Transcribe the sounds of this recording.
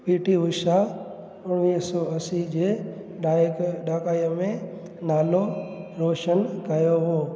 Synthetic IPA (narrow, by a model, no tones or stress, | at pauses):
piːʈiʋʊʃa | ʊnniːɦsɔɐsid͡ʑeː | akɗaːkaːiəmẽ | naːloɾoːʃənkɐjoɦoː